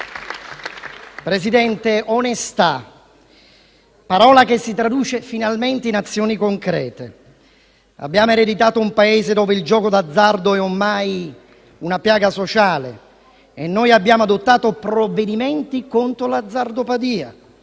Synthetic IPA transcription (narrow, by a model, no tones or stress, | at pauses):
pɾesid̪ɛnt̪eonest̪a | paɾɔːlakesːit̪ɾad̪uːt͡ʃefinalmɛnt̪einat̪sːjɔːnikoŋkɾɛ̰ːt̪ḛ | a̰bːjaːmoeɾed̪it̪aːt̪oumpaeːzed̪ɔːveild͡ʒɔːkod̪ad̪zːard̪oɛomːaj | unapjaːɡasot͡ʃaːlḛː | nːojabːjaːmoad̪ot̪ːaːt̪opɾoved̪imɛnt̪ikont̪ɾolad̪zːard̪opad̪iːa